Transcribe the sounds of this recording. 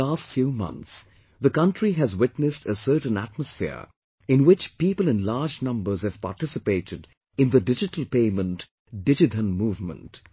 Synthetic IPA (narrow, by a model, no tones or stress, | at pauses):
aːstfjuːmʌ̰̃nt̪s | ðəkʌ̃ntɹiɦæzwɪtnɨstəsɜ˞ʈə̃n̩æ̰t̚məsfɪ̰ɹ | ɪ̃nwɪt͡ʃpiːpəlˠɨ̃nlaːd͡ʒnʌ̃mbə˞z̥ɨv̥pa̰ːʈɪsɨpeɪɾɨd | ɨ̃nðədɪd͡ʒɪtəl̩ˠpeɪmə̃nt | dɪd͡ʒɨtə̃nmuːvmə̰̃nt